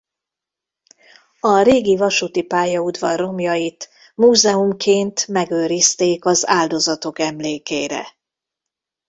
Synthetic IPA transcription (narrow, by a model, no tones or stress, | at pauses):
ɒɾeːɡivɒʃut̪ipaːjɒud̪vɒrːo̞mjɒjit̪ | muːzɛumkʰeːnt̪mɛɡøːɾist̪eːkɒzaːld̪o̞zɒt̪o̞kɛmleːkeːɾɛ̰